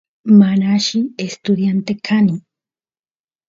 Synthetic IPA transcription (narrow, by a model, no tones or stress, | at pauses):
manaʃɪest̪ʊd̪jant̪ekʰanɪ